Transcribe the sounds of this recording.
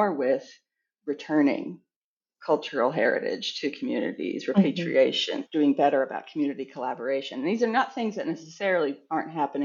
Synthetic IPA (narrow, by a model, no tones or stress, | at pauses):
ɹwɪð̥ | ɹɨtʰɜ̃˞nɪ̰̃ŋ | kʰʌlˠt͡ʃə˞l̩ˠɦɛ̰ɹɨ̰ɾɪ̰d̥ʒ̥tʰɨkʰm̩jʉ̰nɨ̰ɾḭzɹɨpʰeɪt͡ʃɹ̥ḭeɪʃɨ̰̃nd̥ʉɪ̃ŋbɛɾə˞ɨba̰ʊt̚kʰmjʉnɨɾikʰəlæbə˞eɪʃɨ̃n̩ðizə˞nət̪̚θɪ̃ŋzðɨtⁿnɛsəsɛɹl̩ˠiɑɹnt̚ɦæpɨnɪ̃